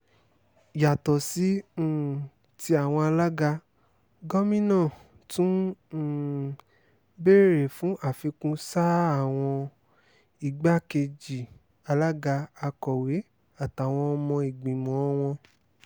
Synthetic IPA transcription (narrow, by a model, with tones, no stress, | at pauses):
ja˨tɔ˨sĩ˨˦˨ | ti˦a˨w̃ɔ̃˧a˧la˦ɡa˧ | ɡɔ˦mĩ˦nãː˦˨ | tũ˦˨ | be˦ɾe˦˨ɾe˨fũ˨˦ʔa˦˨fi˧kũ˦sa˦a˦˨w̃ɔ̃˧ | i˨ɡ͡ba˦ke˧d͡ʒi˨ | a˧la˦ɡa˧a˧kɔ˨we˨˦ | a˦˨ta˨w̃ɔ̃˧ɔ˧mɔ̃˧i˨ɡ͡bĩ˨mɔ̃˨ɔ˦w̃ɔ̃˧